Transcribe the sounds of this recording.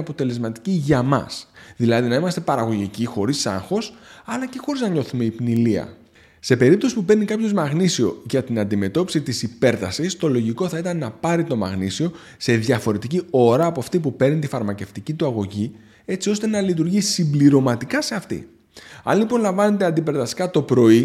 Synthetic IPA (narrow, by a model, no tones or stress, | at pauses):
ɐpo̞t̪e̞le̞zmɐt̪i̥ciʝɐmɐ̰sðilɐðinɐimɐst̪e̞pɐɾɐɣo̞ʝicixo̞ɾisɐ̰ŋxo̞sɐlɐce̞xo̞ɾiznɐɲo̞θume̞ipniliɐ̰ | se̞pe̞ɾip̚t̪o̞sipupeɾnikɐpço̞zmɐɣnisio̞̰ʝɐt̪inɐnd̪ime̞t̪o̞pi̥sit̪isipe̞ɾt̪ɐsist̪o̞lo̞ʝiko̞θɐit̪ɐnːɐpɐɾit̪o̞mɐ̰ɣnisio̞ | se̞ðʝɐfo̞ɾe̞t̪icio̞ɾɐːpoɐft̪ipupe̞ɾnit̪ifɐɾmɐce̞ft̪icit̪uɐɣo̞ʝi | e̞t͡sio̞st̪e̞nɐlit̪̬uɾʝisimbliɾo̞mɐt̪ikɐse̞ɐft̪ḭ | ɐ̰nlipo̞nlɐɱvɐne̞t̪e̞ɐnd̪ipe̞ɾt̪ɐsi̥kɐt̪o̞pɾo̞i